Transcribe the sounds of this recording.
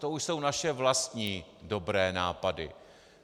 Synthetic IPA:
t̪ouʃso̞wnaʃɛvlast̪ɲiːdo̞bɾɛːnaːpadɪ̰

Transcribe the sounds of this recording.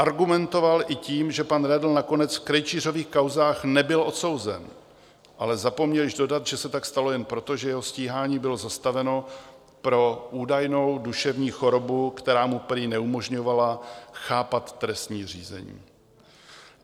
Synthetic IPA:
ʔaɾɡumɛnt̪o̞valʔɪciːmʒɛpanɾɛdl̩nako̞nɛt͡sfkɾɛjt͡ʃiːr̝o̞viːxkawzaːxnɛbɪlo̞t̪so̞wzɛ̰n | ʔalɛzapo̞mɲɛlɪʒdo̞dat̪ʒɛsɛt̪akst̪alo̞jɛnpɾo̞t̪oʒɛjɛɦo̞sciːɦaːɲiːbɪlo̞zast̪avɛno̞ | pɾo̞ʔuːdajno̞wduʃɛvɲiːxo̞ɾo̞bukt̪ɛɾaːmupɾɪnɛumo̞ʒɲo̞valaxaːpat̪ːɾɛst̪ɲiːr̝ḭːzɛ̰ɲḭː

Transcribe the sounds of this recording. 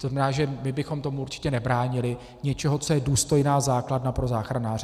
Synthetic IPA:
oznamɛnaːʒɛmɪbɪxo̞mt̪o̞muʔuɾt͡ʃɪ̥cɛnɛbɾaːɲɪlɪ | ɲɛt͡ʃɛɦo̞t͡so̞jɛduːst̪o̞jnaːzaːkladnapɾo̞zaːxɾanaːr

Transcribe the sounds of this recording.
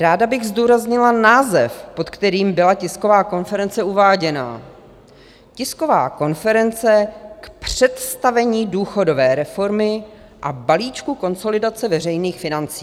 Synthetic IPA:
ɾaːdabɪɣzduːɾazɲɪlanaːzɛfpo̞t̪kt̪ɛɾiːmbɪlacɪsko̞vaːko̞nfɛɾɛnt͡sɛuvaːɟɛna̰ | cɪsko̞va̰ːko̞nfɛɾɛnt͡sɛkpr̝̥ɛt̪st̪avɛɲiːduːxo̞do̞vɛːɾɛfo̞ɾmɪ | ʔabaliːt͡ʃkuko̞nso̞lɪdat͡sɛvɛrɛjniːxfɪnant͡si

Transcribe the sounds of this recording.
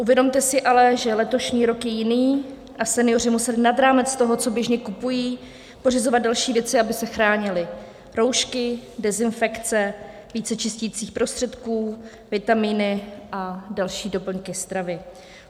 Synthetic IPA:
ʔuvjɛdo̞mt̪ɛsɪʔalɛʒɛlɛt̪o̞ʃɲiːɾo̞kjɛjɪniː | ʔasɛnɪjo̞r̝ɪmusɛlɪnad̪ɾaːmɛt͡st̪o̞ɦo̞t͡so̞bjɛʒɲɛkupujiː | po̞r̝ɪzo̞vad̪̚dalʃiːvjɛt͡sɪabɪsɛxɾaːɲɪlɪ | ɾo̞wʃkɪdɛzɪnfɛkt͡sɛ | viːt͡sɛt͡ʃɪsciːt͡siːxpɾo̞st̪r̥ɛt̪kuː | vɪt̪amiːnɪʔadalʃiːdo̞pl̩ŋkɪst̪ɾavɪ

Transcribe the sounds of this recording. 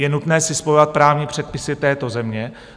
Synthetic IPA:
jɛnut̪nɛːsɪspo̞jovat̪̚pɾaːvɲipr̥ɛt̪̚pɪsɪt̪ɛːt̪o̞zɛmɲɛ

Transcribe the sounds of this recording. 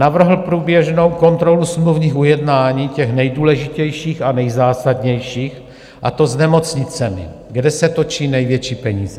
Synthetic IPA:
navr̩ɦl̩pɾuːbjɛʒnowko̞nt̪ɾo̞lusmluvɲiːxʔujɛdnaːɲiːcɛxnɛjduːlɛʒɪcɛjʃiːxanɛjzaːsadɲɛjʃiːx | ʔa̰t̪o̞znɛmo̞t͡sɲɪt͡sɛmɪ̰ɡdɛsɛt̪o̞t͡ʃiːnɛjvjɛt͡ʃiːpɛɲiːzɛ

